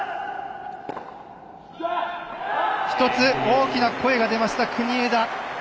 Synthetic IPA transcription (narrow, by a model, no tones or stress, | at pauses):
çi̥t̪o̞t͡sɨoːkʲinakʰo̞e̞ɡad̪e̞maɕi̥t̪akʰɯ̟ɲ̟ie̞d̪a